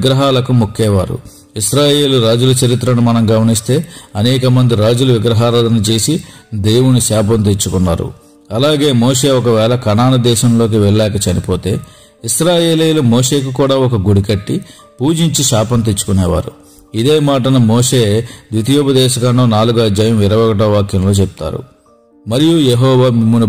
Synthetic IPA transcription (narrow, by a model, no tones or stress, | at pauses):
iɡɾɐɦaːlɐkumukʰːɛːʋaːɾṵ | isɾaːje̞ːluɾaːd͡ʒulɐt͡ʃɐɾit̪ɾɐnumɐnɐmɡɐmɐnist̪e̞ːɐnɛːkɐmɐnd̪iɾaːd͡ʒuluʋiɡɾɐɦaːɾalɐnit͡ʃe̞ːsid̪e̞ːwunisaːp̬ɐnt̪̬et͡ʃːukunːa̰ːɾṵ | ɐlaːɡe̞ːmoːʂe̞ːɔkɐʋɛːlɐkɐnaːnɐd̪ɛːʃɐmlo̞ːk̬iʋɛɭlɛːkɐt͡ʃɐnipo̞ːt̪e̞ː | isɾaːje̞ːliːlumoːʂe̞ːk̬ukuːɽaːɔkɐɡuɽikɐʈːi | puːd͡ʒiɲt͡ʃiʃaːpɐnt̪et͡ʃːu̥kunɛːʋa̰ːɾṵ | id̪e̞ːmaːʈ̬ɐnɐmoːʂe̞ːd̪ʋit̪ijoːbɐd̪ɛːʃɐkɐɳːoːnaːluɡɐd͡ʒɐjɐmʋiɾɐʋɐːɡɐʈɐːʋaːkjɐmlo̞ːt͡ʃep̚t̪a̰ːɾṵ | mɐɾijujeɦɔːʋaːmimːunu